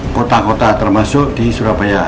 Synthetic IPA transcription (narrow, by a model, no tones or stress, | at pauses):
kot̪akot̪at̪ərmasʊk̚d̪̥isuɾabaja